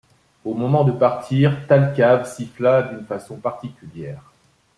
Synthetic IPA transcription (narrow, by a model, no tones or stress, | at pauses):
omɔmɑ̃d̪əpaʁt̪ʰiːʁt̪alkʲavsiflad̪ynfasɔ̃paʁt̪ikʲyljɛːʁ